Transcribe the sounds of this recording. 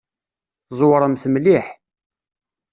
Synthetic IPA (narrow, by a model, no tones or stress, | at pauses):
θzˤwɾˤəmθəmliħ